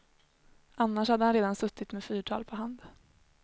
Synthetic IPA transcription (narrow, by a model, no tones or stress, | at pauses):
ʔanːaʂhad̪ːəhanɾeːd̪ansɵt̪ːɪt̪meːfyːʈʰɑ̰ːlpʰɔɦand̪